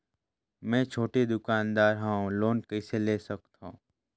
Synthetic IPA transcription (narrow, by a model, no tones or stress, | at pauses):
mɛ̃ːt͡ʃʰoːʈed̪ʊkaːnd̪aːɾɦãũloːnkɐiseleːsɐkt̪ɦõ̰ː